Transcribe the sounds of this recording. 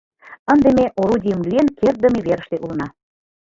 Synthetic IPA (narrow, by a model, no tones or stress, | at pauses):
ə̆nd̪emeʔoɾudʲijəmlyenkert̪̚d̪ə̆meβeɾə̆ʃt̪eʔulə̆nɑ